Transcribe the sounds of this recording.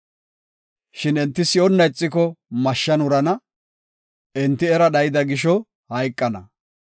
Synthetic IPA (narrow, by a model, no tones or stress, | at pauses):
ʃɪnɛnt̪ːɪsɪɔnːɐjt͡sʼːɪkɔmɐʃːɐnʊɾɐnɐ | ɛnt̪ːɪɛɾɐɗɐjɪd̪ɐɡɪʃɔ | hɐjkʼːɐnɐ̰